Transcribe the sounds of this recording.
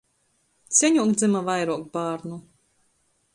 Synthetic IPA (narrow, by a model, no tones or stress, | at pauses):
t̪sʲɛɲuɔkd̪zimavajɾuɔk̚baːɾnu